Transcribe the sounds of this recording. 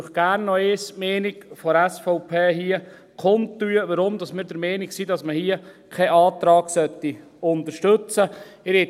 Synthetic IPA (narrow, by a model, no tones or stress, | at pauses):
χɡ̥æːɾnːɔeːsmɛːniɡfɔɾæsfɔʊpʰeːɦiə | kʰχontyːəʋəɾʊmd̪ɑsmɪːɾdəɾmɛːniksid̪ɑsməhiːəkʰɛʔɑːt̪ɾɑːɡ̥sœt̪ːi | ʊnt̪əɾʃtɵt͡səɪɾɛ